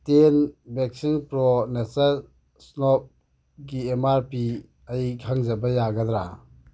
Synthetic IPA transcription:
tenbeksiŋpɾɔnesɐ | snɔp̚ | ɡiemaɾpi | ɐjkʰaŋzɐbɐjaɡɐd̪ɾa̰

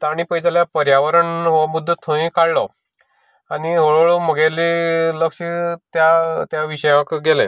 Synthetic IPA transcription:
t̪aɽ̃ipəjd͡ʑaljapəɾjaʋəɾəɳɦʋamud̪ʱːət̪ʰõĩkaɽlɔ | aniɦoɭəɭoməɡeliləkɕit̪jat̪jaʋiɕəjãkɡɛle

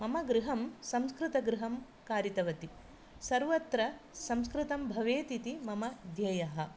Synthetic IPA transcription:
mɐmɐɡɾɪɦɐmsɐ̃mskɾɪt̪ɐɡɾɪɦɐm | kaːɾit̪ɐʋɐt̪i | sɐɾʋɐt̪ɾɐsɐmskɾɪt̪ɐmbʱɐʋeːt̪it̪imɐmɐd̪ʱjɐjɐɦɐ̆

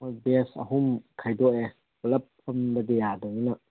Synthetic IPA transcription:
ɐbesɐ̰ɦumkʰajdɔʔe | lɐpʰːɐmbɐdejadɔŋinɐ

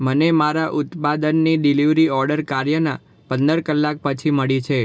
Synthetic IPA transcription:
mənemaɾaʔʊt̪pad̪ənːiɖiliʋɾiɔɾɖəɾkaɾjəna̰ | pənd̪əɾkəlːak̚pət͡ʃʰiməɭit͡ʃʰe

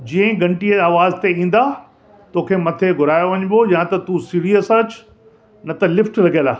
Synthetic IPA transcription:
d͡ʑiːə̃ɡɐ̃ɳʈiaːʋaːzt̪eĩːn̆d̪a | t̪oːkʰemɐt̪ʰeɡʱʊɾaːjoʋɐɲbojãt̪ɐt̪usiːɾiəsɐ̃t͡ɕ | nɐt̪ɐlɪfʈɾɐɡʱelaː

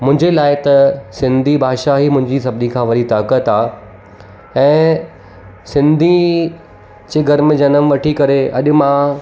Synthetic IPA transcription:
mʊ̃ɦɪ̃ɲd͡ʑelaːɪt̪ɐsɪ̃nd̪ʱibʱaːʃaɦimʊ̃ɦɪ̃ɲd͡ʑisɐbnikʰãːʋɐɗit̪aːkət̪aː | ɛ̃ː | sɪ̃nd̪ʱi | d͡ʑeːɡʱɐɾmẽd͡ʑɐnəmʋɐʈʰikɐɾeʔɐ̰ɗʊ̆mã

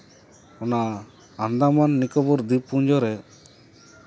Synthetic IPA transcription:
ɔnaː | nd̪amanːikɔbɔɾd̪ipuɲd͡ʒɔɾɛ

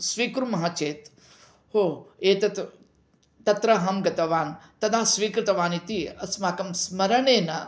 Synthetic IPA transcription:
sʋiːkɾumɐɦat͡ʃeːt̪ | hoːeːt̪ɐt̪ | t̪ɐt̪ɾɐɦɐmɡɐt̪ɐʋaːnt̪ɐt̪ʰaːsʋiːkɾɪt̪ɐʋaːnit̪iɐsmaːkɐmsmɐɾɐɳeːnɐ

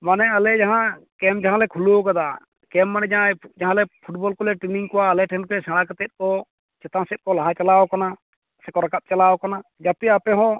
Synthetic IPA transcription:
manɛalɛd͡ʒaɦãkɛmd͡ʒaɦãlɛkʰulokad̪a | kɛmːanɛ̃d͡ʒãd͡ʒaɦãlɛpʰuʈ̚bɔlkɔlɛʈɾiniŋkɔwaːlɛʈʰɛnpɛsɛɽ̃akat̪ɛt̪̚kɔ | t͡ʃɛt̪ãsɛt̪̚kɔlaɦãt͡ʃalaɔkana | sɛkɔɾakap̪̚t͡ʃalaɔkanad͡ʒapɛapɛɦɔ̃

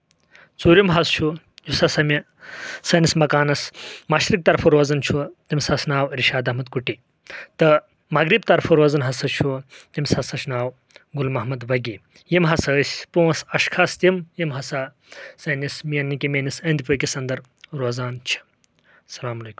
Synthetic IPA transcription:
t͡suːɾjimɦɐst͡ʃʰu | jusɐsɐmʲi | sɐnismɐkaːnɐsmɐʃɾik̚t̪ɐɾfʰɐɾoːzɐnt͡ʃʰut̪ʲimʲsɐsnaːwɾiʃaːd̪ɐɦmɐd̪̚kuʈi | t̪ɨ | mɐɡɾib̚t̪ɐɾfʰɐɾoːzɐnɦɐsɐt͡ʃʰut̪imʲsɐsɐʃnaːw | ɡulmɐɦmɐd̪ʋɐɡʲi | jimɦɐsɐːsʲpuwɐsɐʃkʰast̪ʲimjimɦɐsa | sɐnismijɐnːikʲimʲenisɐnd̪ipɨkʲisɐnd̪ɐɾ | ɾoːzaːnt͡ʃʰi̥ | sɐlaːmɐleːku̥mm

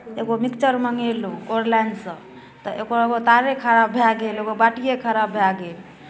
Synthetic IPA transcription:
eɡomikt͡ʃəɾməŋelũoɾlɛnɖsə̃ | t̪əʔeɡoeɡot̪aɾekʰəɾabʱaɡeleɡobaʈijekʰəɾabʱaɡel

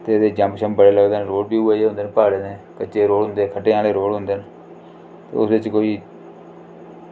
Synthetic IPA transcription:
t̪eːd̪eːd͡ʒə̃mpʃəmbəɽeːləɡd̪eːnɾoːɽbiːʊeːeːɦʊ̃nd̪eːnpaːɽeːnẽkət͡ʃːeːɾoːɽɦʊ̃nd̪eːkʰəʈeːaːleːɾoːɽɦʊ̃nd̪eːn | t̪ḛːʊsʋɪt͡ʃkoːiː

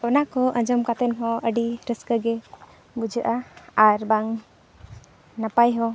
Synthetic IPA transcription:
ɔnakʰɔʔə̃ɲd͡ʒɔmkat̪ɛnɦɔəɖiɾəskəɡɛ | bud͡ʒəʔaːɾbaŋ | napajɦɔ

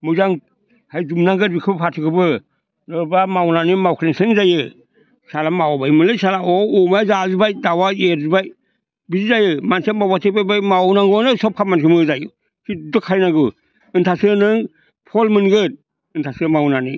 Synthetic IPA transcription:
mɯzaŋ | hajdumnaŋɡɯt̚bikʰɯbpʰatʰɯkʰɯbɯ | nɯɾbamawnanimawkʰleŋsɯŋzajɯ | salamawbajmɯlɯsalaɔɔmaazazibajdawaeɾzibaj | bizizajɯmansemawbatʰepajbajmawnaŋɡɔnɯsɔp̚kʰap̚mankʰɯmɯzajɯ | sʰidɯkʰaɾjnaɡɯ | ɯntʰasɯnɯŋ | pʰɔlmɯnɡɯt̚ | ɯntʰasɯmawnani

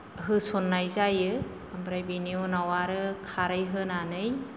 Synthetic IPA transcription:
ɦɯsɔnːajzajɯ | ambɾajbiniunawaɾɯkʰaɾɯjɦɯnanɯj

